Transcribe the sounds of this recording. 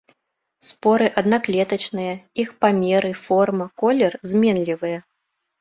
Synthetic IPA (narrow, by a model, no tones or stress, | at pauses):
spɔɾɨʔɐd̪naklʲɛt̪ɐt͡ʃnɨjɐixpamʲɛɾɨfɔrmɐkɔlʲɛrzʲmʲɛnlʲivɨjɐ